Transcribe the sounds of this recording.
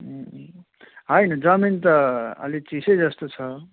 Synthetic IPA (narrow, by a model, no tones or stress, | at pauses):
ɦʌjnʌd͡zʌmint̪ʌʌ̰lit͡sisejd͡zʌst̪ot͡sʰʌ